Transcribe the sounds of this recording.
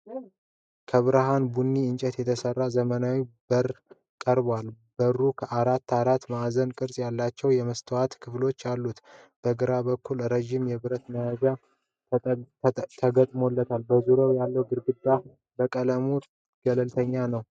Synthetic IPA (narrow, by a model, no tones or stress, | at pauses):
kʰəβɨɾɨɦanbunːiɨnt͡ʃʼɛt̪jɛt̪ʰəsərːazəmənawibəɾ | kʼəɾbwal | bərːukʰəʔaɾat̪ːaɾat̪ːmazənkʼɨɾsʼjalːat͡ʃːɛwjɛməst̪ʰəwat̪kʰɨflo̞t͡ʃːalːut̪ | b̥əɡɨɾabəkʰːulɾəʒimjɛβɨɾət̪məjad͡ʒa | t̪ʰəɡət̪ʼmolːət̪ʰalbəzuɾowjalːəwɡɨɾɡɨd̪ːa | bəkʼələmu | ɡ̥ələlt̪ʰəɲːanəw